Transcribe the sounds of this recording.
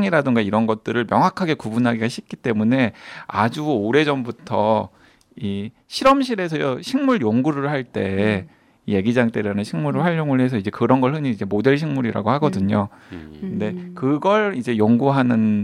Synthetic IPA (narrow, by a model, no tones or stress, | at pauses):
ŋiɾadɯŋɡaiɾʌnɡʌt̚t͈ɯɾɯɭmjʌŋɦwakʰaɡe̞kubunɦaɡiɡaɕʰik̚k͈it͈e̞mune̞a̰d͡ʑuoɾe̞d͡ʑʌmbutʰʌ | i | ɕʰiɾʌmɕ̬ʰiɾe̞s̬ʰʌjoɕʰiŋmuɭjoŋɡuɾɯɭhaɭt͈e̞ | ije̞ɡid͡ʑaŋt͈eɾanɯɕʰiŋmuɾɯɭhaʎjoŋɯɭɦe̞s̬ʰʌid͡ʑe̞kɯɾʌnɡʌɭɦɯɲiid͡ʑe̞mode̞ɭɕʰiŋmuɾiɾa̰ɡoɦhaɡʌdɯɲo | kɯnde̞kɯɡʌɭid͡ʑe̞joŋɡuɦanɯn